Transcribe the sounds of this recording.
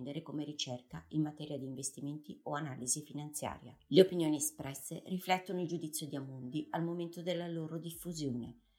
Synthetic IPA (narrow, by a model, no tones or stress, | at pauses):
nd̪eɾekomeɾit͡ʃɛrkainmat̪ɛːɾjad̪iːɱvest̪iment̪ioanaːlizifinant̪sja̰ːɾja̰leopinjoːniespɾɛsːeriflɛt̪ːonoild͡ʒud̪it̪sːjod̪iamund̪ialmoment̪od̪elːaloːɾod̪ifːuzjoːnḛ